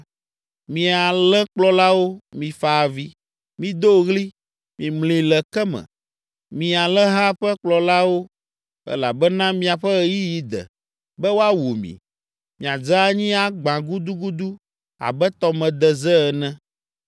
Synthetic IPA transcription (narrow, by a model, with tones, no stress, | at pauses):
mĩ˨a˨lɛ̃˦k͡plɔ˦la˦wo˦mĩ˨fa˨vi˦ | mĩ˨d̪o˦ɣli˦ | mĩ˨mlĩ˨lɛ˨kɛ˦mɛ̰̃˨ | mĩ˨a˨lɛ̃˦ɦa˦ɸɛ˦k͡plɔ˨la˦wo˦ | ɛ̰˦la̰˨bɛ˦nã˦mĩ˦a˨ɸɛ˦ji˦ji˦d̪ɛ̰˨ | bɛ˦wo˦a˦wo˨mḭ̃˨ | mĩ˨a˨d͡za˦ɲĩ˦a˨ɡ͡bã˨ɡu˦d̪u˦ɡu˦d̪u˦ | a̰˨bɛ˦t̪ɔ˦mɛ̃˨d̪ɛ˨zɛ˦˨nɛ̃˦